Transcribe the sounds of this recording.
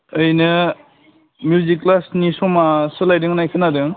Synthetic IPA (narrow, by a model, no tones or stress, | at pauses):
ɯjnɯ | mjuziklasnisɔmasɯlajdɯŋnajkʰɯnadɯŋ